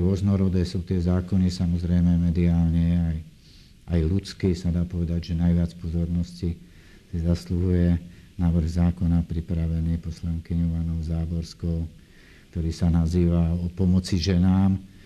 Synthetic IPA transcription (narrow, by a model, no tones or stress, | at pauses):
ɾʊɔznɔɾɔd̪ɛːsuːt̪ɪɛzaːkɔnisamɔzɾɛjmɛmɛd̪iaːlɲɛaj | ajlut͡skiːsad̪aːpɔʋɛd̪aɟʒɛnajʋɪat͡spɔzɔɾnɔsci | sizasluɦujɛnaʋr̩ɣzaːkɔnapɾipɾaʋɛniːpɔslaŋkiɲɔʊanɔʊzaːbɔɾskɔʊ | kt̪ɔɾiːsanaziːʋaɔpɔmɔt͡siʒɛnaːm